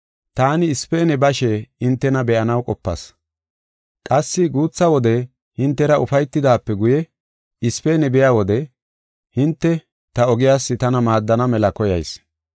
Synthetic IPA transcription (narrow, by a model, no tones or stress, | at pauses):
t̪aːnɪːspeːnɛbɐʃɛɪnt̪ːɛnɐbɛʔɐnɐwkʼɔpːɐ̰s | kʼɐsːɪɡuːt͡sːɐwɔd̪ɛ | hɪnt̪ːɛɾɐʔʊfɐjt̪ːɪd̪aːpːɛɡʊjɛ | ɪspeːnɛbɪjaːwɔd̪ɛ | hɪnt̪ːɛ | t̪ɐɔɡɪjaːsːɪt̪ɐnɐmaːd̪ːɐnɐmɛlɐkɔjɐjs